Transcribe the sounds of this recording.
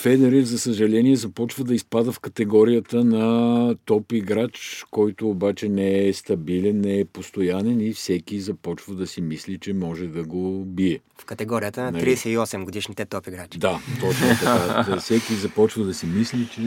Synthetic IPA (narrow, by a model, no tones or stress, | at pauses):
fɛd̪ɛɾizɐsəʒɐlɛniɛzɐpɔt͡ʃvəd̪ɐispad̪əfkɐt̪ɛɡɔɾijət̪ənɐt̪ɔpiɡɾat͡ʃkɔjt̪oːbat͡ʃɛnɛɛst̪ɐbilɛnːɛɛpost̪ojanɛnifsɛkizɐpɔt͡ʃvəd̪ɐsimislit͡ʃɛmɔʒɛd̪ɐɡobiɛ | fkɐt̪ɛɡɔɾiət̪ənɐnɐɾiɛsɛiɔsɛmɡod̪iʃnit̪ɛt̪ɔpiɡɾat͡ʃd̪at̪ɔt͡ʃnt̪ɐkazɐfsɛkizɐpɔt͡ʃvəd̪ɐsimislit͡ʃɛ